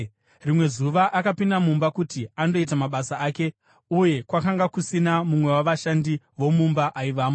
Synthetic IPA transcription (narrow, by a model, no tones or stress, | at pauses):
rimwe̞zuʋaʔakapindamumbakutiando̞it̬amaɓasaaːke̞ | uje̞kwakaŋɡakusinamumwe̞waʋaʃandi | ʋo̞mumbaʔaiʋaːmo